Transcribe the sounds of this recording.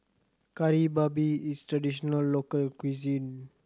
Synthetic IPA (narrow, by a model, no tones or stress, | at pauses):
kaɾibabiist̪ɾadisɔnalːokalkwizin